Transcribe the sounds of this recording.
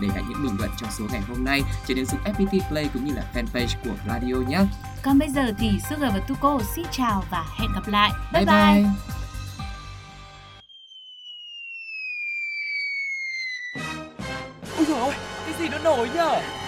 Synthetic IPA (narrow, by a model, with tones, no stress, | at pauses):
ɗe˧˩ɣa̰˨˩ɲɨ̰˧˥ŋɓï̟˨˩lə̰˧˨nt͡ɕɔ˧wŋ͡mso˨˦ŋa˨˩jɦo˧mna˧jt͡ɕɔ˧ne˨˧nzɨ̰˨˩ŋʔɛ˦˥p̚ɓi˧t̪i˧plə˧jkʊ̰˧˥ŋ͡mɲɨ˧laː˨˩fɛ˧npe˧jsku˧˩əraː˧ɗi˧ʔo˧ɲaː˨˦˥ | kɔ˨˩nɓə˧jzəː˨˩t̪ʰi˨˩sɨ̰˧˥ɣəː˨˩jvəː˨˩t̪u˧ko˧si˧˥ŋt͡ɕaː˨˩wvaː˨˩hɛ̰˧˨nɣə˨˩p̚la̰ː˧˨jʔɓaː˧jɓaː˧˨j | ʔu˧˨˧ka˨˦jzi˨˩nɔ̰˧˥no˨˦jɲəː˧˩